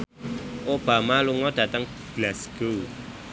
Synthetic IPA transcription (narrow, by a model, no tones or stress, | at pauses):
ʔob̥amaluŋɔd̥a̤t̪əŋ | ɡ̥lasɡ̥u